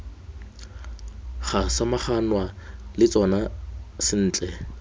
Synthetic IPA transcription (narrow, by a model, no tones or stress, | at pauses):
χasamaχanwalɪt͡sʼɔnasɪn̩ːt͡ɬʼɛ